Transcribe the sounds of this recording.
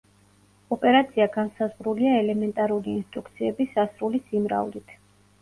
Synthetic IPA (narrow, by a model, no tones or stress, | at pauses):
ɔpʼɛɾat̪sʰiaɡansazʁɾuliaɛlɛmɛnt̪ʼaɾuliːnst̪ʼɾuk̚ʰt̪sʰiɛbisasɾulisimɾa̰vlit̪ʰ